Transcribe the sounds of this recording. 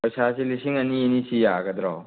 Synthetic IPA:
pɐjsasʰilisʰiŋɐnienisʰijaɡɐd̪ɾɔw

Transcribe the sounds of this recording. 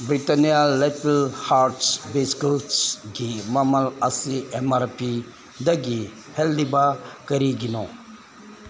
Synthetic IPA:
bɾitanijaleplhaɾʈsbeskosɡimɐmɐlasiemaɾpi | d̪ɐɡi | hɛldibakɐɾiɡinɔ

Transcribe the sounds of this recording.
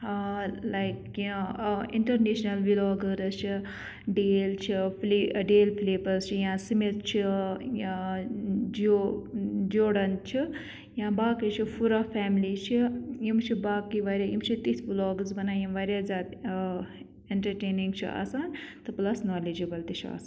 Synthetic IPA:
ɦalajkjãḭɳʈɐɾneʃnɐlʋilɔːɡəɾɐt͡ʃʰi | ɖeːlt͡ʃʰipleɖeːlpʰleːpɐɾst͡ʃʰijãsimit̪t͡ʃʰijã | d͡ʒo | d͡ʒoːɽɐnt͡ʃʰi | jãbaːkit͡ʃʰipʰuɾapʰɛːmlit͡ʃʰijimt͡ʃʰibaːkiʋaːɾjajimt͡ʃʰit̪isʋilɔːɡəzbɐnaːjimʋaɾjazaːd̪ | eɳʈɐɾʈeːniŋɡt͡ʃʰḭʔa̰ːsaːnt̪ɨplɐsnoːlid͡ʒibɐlt̪it͡ʃʰia̰ːsn

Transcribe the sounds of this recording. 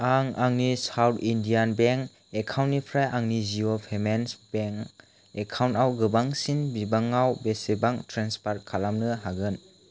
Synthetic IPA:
aŋaŋnisawtʰindijanbeŋk | ekʰawntːipʰɾajʔaŋniziopʰemensb̥eŋ | ekʰawntawɡɯbaŋsinbibaŋawbesebaŋtɾenspaɾt̚kʰalamnɯɦaɡɯn

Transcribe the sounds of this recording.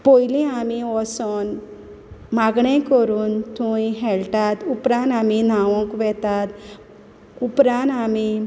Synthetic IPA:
pojlĩamiʋɔsɔn | maɡɳɛ̃kəɾuːnt̪ʰũiɦɛɭtat̪upɾãnamin̤aʋɔ̃kʋɛt̪at̪ | upɾãnami

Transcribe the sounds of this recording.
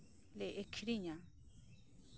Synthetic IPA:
leʔekʰɾiɲa

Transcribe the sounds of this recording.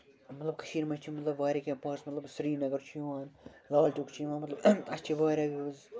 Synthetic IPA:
mɐt̪lɐb̚kɐ̥ʃiːɾmɐt͡ʃt͡ʃʰimɐt̪lɐbʋaːɾekẽːpaːɾsmɐt̪lɐbsɾiːnɐɡɐɾt͡ʃʰijʋaːnlaːlʈukt͡ʃʰijʋãːnmɐt̪lɐbɐst͡ʃʰiʋaːɾaːʋiɐz

